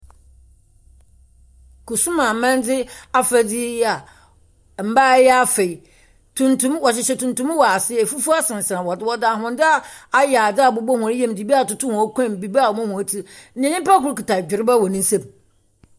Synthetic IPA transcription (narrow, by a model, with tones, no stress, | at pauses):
kʰu˨sũ˦mã˨mɛ̃˦n˦d͡zɪ˦a˦fæ˨d͡zi˦ja˨ | m̩˨ba˦jɛ˦a˦fe˨i˨ | tʰũ˨ntʰũ˦mwɔ˨ɕ̬ɪ˨ɕɛ˨tʰũ˨ntũ˦m˦wɔ˨a˨sɪ˦e˨fu˦fu˦a˦sɪ̃˨n˨sã˨wɔ˨dɪ˦wɔ˦da˨ɦʊ̃˨n˦dɪ˦a˦a˦ja˨dɪ˦a˨bʊ˨bɔ˦hʊ̃˨a˨˦jɛ̃˦mdi˨bi˦a˨tʊ˨tʰʊ˦hɔ̃˨˦kʷɛ̃˦˨mbi˨bi˦a˦˨wɔ˨mɔ̃˦hʊ̃˨æ˨tʰi˦n̩˦ɪ̃˨nɪ̃˦m˦pa˦kʊ˦ɾki˨tʰa˨d͡ʑᶣɪ˨ɾɪ˦ba˦wɔ˨nĩ˦n̩˦sɛ̃˦m